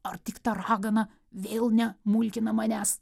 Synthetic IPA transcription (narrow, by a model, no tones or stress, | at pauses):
ɐrt̪ʲɪkt̪ɑɾɑːɡɐnɐ | ʋʲeːlˠnʲɛmʊlʲkʲɪnɐmɑnʲæs